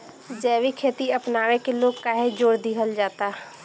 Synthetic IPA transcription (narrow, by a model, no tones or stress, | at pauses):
d͡ʒɛːʋikʰeːt̪iɐpnaːʋẽkeloːɡ̚kaːɦed͡ʒoːɾd̪iɦəld͡ʒaːt̪aː